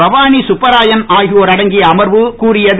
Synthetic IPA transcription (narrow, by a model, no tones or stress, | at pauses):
ɐʋaːnisʊpːɐɾaːjɐnaːɣɪoːɾɐɽɐŋɡɪjɐːmɐɾʋɯkuːrɪjɐð